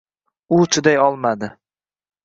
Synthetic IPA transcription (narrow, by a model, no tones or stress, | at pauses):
ʊt͡ʃʰʊd̪ajɒlˠmad̪ɪ